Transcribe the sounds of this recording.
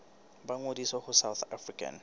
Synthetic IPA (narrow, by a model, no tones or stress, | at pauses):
baŋodiswahʊsawθafrikʼa̰n